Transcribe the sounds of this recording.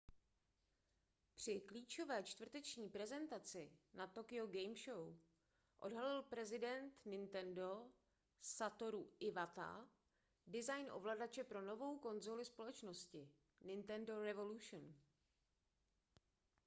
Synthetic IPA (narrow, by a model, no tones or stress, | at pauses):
pr̝̥ɪkliːt͡ʃo̞vɛːt͡ʃt̪vr̩t̪ɛt͡ʃɲiːpɾɛzɛnt̪at͡sɪnat̪o̞kɪo̞ɡɛjmʃow | ʔo̞̰dɦalɪlpɾɛzɪdɛnt̪nɪnt̪ɛndo̞ | sat̪o̞ɾuʔɪvat̪a̰ | dɪzajnʔo̞̰vlaːdat͡ʃɛpɾo̞no̞vo̞wko̞nzolɪspo̞lɛt͡ʃno̞scɪ | nɪnt̪ɛndo̞ɾɛvo̞luʃn